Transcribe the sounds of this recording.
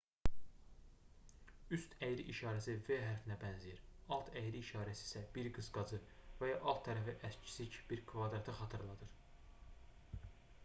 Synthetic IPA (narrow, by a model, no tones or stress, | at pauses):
yst̪ʰæjɾiʔiʃɑːɾæsive̞ɦæɾfinæbænzijiɾɑlˠt̪ʰæjɾiːʃɑːɾæsi̥ːsæb̥iɾɡɯzɡɑd͡ʒɯvæjɑʔɑlˠt̪̚ʰːæɾæfiʔæst͡ʃʰi̥sicb̥iɾkʰvɑd̪ɾɑt̪ʰɯχɑt̪ʰɯɾlˠɑd̪ɯɾ